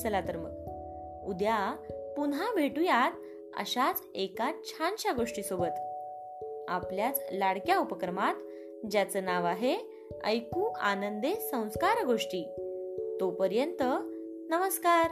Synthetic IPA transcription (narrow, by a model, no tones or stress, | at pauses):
t͡səlat̪əɾmək | ud̪japunɦabʱeʈujat̪ | ə̰ɕat͡s | ekat͡ɕʰanɕaɡoʂʈiːsobət̪ | a̰pljat͡slaɽkjaupəkɾəmat̪ | d͡ʑjat͡sənaʋaɦe | ə̰jkuanənd̪esə̃w̃skaɾɡoʂʈiːt̪opəɾjənt̪ə | nəməskaɾ